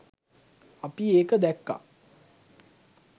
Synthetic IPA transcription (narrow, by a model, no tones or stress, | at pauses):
apieːkəd̪ɛkːa̰